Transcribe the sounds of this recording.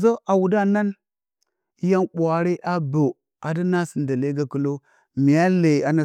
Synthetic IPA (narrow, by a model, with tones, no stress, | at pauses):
zo˦ʔa˨wu˨da˦na˦n˦ | ja˦nɓʷa˨ɾe˦ʔa˦bo˨ | a˨də˦na˦si˨nda˨le˦ɡa˦ku˦lo˦ | mi˨ja˦le˨a˨na˨